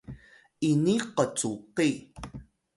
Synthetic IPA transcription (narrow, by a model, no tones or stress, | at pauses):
ʔiniqət͡suqi